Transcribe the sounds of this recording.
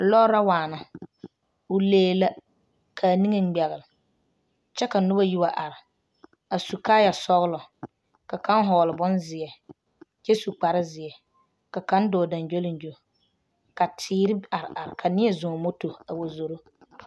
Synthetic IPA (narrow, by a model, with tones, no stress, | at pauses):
lɔ˦ɾa˦waː˨na˨ | ʊ˦leː˦la˦ | kʰa˨ni˦ŋe˦˨ŋ͡m̩˦ɡ͡bɛ˨ɣɪ˨lɪ˨ | t͡ʃɛ˦ka˨nʊ˦ba˦ji˦wa˨ʔa˨ɾɪ˨ | a˨su˨kaː˦ja˨sɔ˦ɣlɔ˨ | ka˨ka˦n˦ɦɔː˨lɪ˨bʊ˦nzɪ˨ɛ˨ | t͡ʃɛ˦su˨k͡pa˨ɾɪ˦zɪ˨ɛ˨ | ka˨ka˨˦n˦dɔː˨da˨nd͡ʒo˦lɪ˨n˨d͡ʒo˨ | ka˨tʰɪː˦ɾɪ˦a˨ɾɪ̰˨ʔa˨ɾɪ˨kʰa˨nɪ˦ɛ˦˨zʊ̃˨mo˦to˨a˨wo˨zo˨ɾo˦